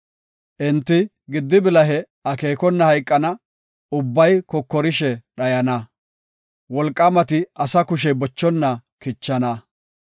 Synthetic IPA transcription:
ʔɛnt̪ːɪ | ɡɪd̪ːɪbɪlɐɦɛ | ɐkeːkɔnːɐhɐjkʼːɐnɐ | ʊbːɐjkɔkːɔɾɪʃɛɗɐjɐnɐ | wɔlkʼːɐmɐt̪ɪɐsɐkʊʃɛbɔt͡ʃːɔnːɐkɪt͡ʃːɐnɐ

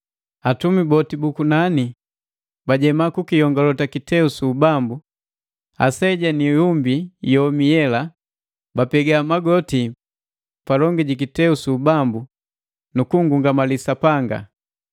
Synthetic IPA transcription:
atumibɔtibukunani | baɟɛmakukijɔŋɡalɔtakitɛusubambu | a̰sɛɟanijumbijɔmijɛla | bapɛɡamaɡɔti | palɔŋɡiɟikitɛusubambu | nukuŋɡuŋɡamalisapaŋɡa̰

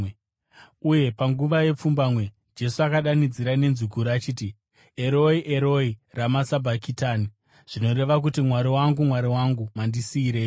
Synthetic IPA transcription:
uje̞paŋɡuʋaje̞p͡fumbamwe̞ | d͡ʒe̞suakaɗanid͡ziɾane̞nzuɡʱuɾat͡ʃiːti | e̞ɾo̞iʔe̞ɾoiramasabʱakitaːni | ʐ̥ino̞ɾe̞ʋak̬utimwaɾiwaŋɡumwaɾiwaŋɡumandisiːɾe̞ːjo

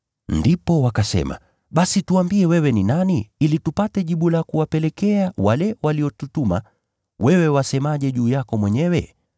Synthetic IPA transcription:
ndipɔwakasɛ̰ma̰ | ɓasituambiɛwɛwɛninaniilitupatɛʄiɓulakuwapɛlɛkɛawalɛwaliɔtutuma | wɛwɛwasɛmaʄɛʄuːjakɔmwɛɲɛwɛ

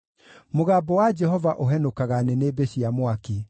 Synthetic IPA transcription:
moɣaːbɔwad͡ʒɛɦɔvaʔoɦɛnokaɣanɛnebeɕiamwake

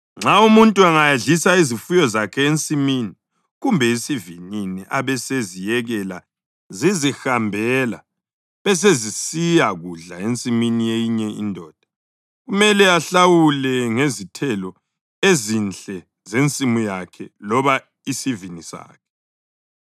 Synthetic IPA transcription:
ŋ͡ǁaumuntʼuaŋajeɮisaizifujɔzakʰɛent͡sʼimiːni | ɣumbʱɛisivininiʔaβɛsezijɛɣɛla | zizixambʱɛla̰ | βɛs̬ezisijaɣuɮaent͡sʼiminijejiɲɛḭndʱɔːd̥ʱḁ | ɣumɛlɛaɬawulɛŋezitʰɛlɔ | ezint͡ɬʼɛ | zent͡sʼimujakʰɛlɔβa | isivinisa̰ːkʰɛ̥

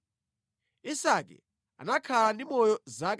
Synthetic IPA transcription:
isak̬ʼɛ̰ | a̰nakʰalanimɔjɔzak̬ʼ

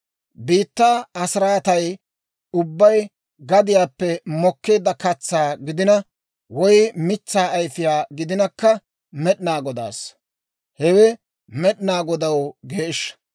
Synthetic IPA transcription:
biːt̪ːaːɐsɪɾaːt̪ɐj | ʊbːɐj | ɡɐd̪ɪjaːpːɛmɔkːeːd̪ːɐkɐt͡sːaːɡɪd̪ɪnɐ | wɔjmɪt͡sːaːɐjfɪjaːɡɪd̪ɪnɐkːɐ | mɛɗɪnaːɡɔd̪a̰ːs | hɛwɛ | mɛɗɪnaːɡɔd̪ɐwɡeːɪʃː

